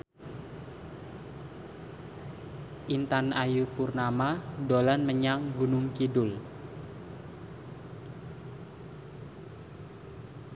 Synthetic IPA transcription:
ʔint̪anajupurnamadolanməɲaŋɡunʊŋkidʊl

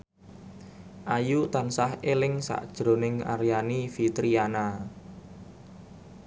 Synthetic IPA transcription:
ʔajut̪ansahelɪŋsa̰ʔd̥ʒ̥ɾo̤nɪŋa̰ɾjanifit̪ɾiana

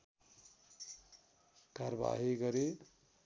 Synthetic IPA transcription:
kaɾba̰ɦiɡʌɾe

